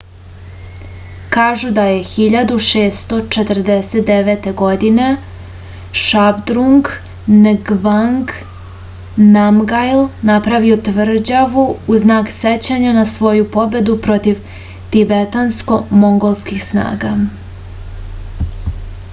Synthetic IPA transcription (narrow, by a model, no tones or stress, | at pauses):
kaːʒud̪aje̞xiʎad̪uʃeːst̪o̞t͡ʃet̪r̩d̪eset̪̚d̪eʋet̪e̞ɡo̞d̪ine̞ | ʃabd̪ɾuŋɡ | nɡʋaŋɡ | namɡajlnapɾaʋio̞t̪ʋr̩d͡ʑaʋuːznaːkset͡ɕaɲanasʋo̞jupo̞be̞d̪upɾo̞t̪iʋ | t̪ibet̪ansko̞mo̞ŋɡo̞lˠskixsna̰ːɡa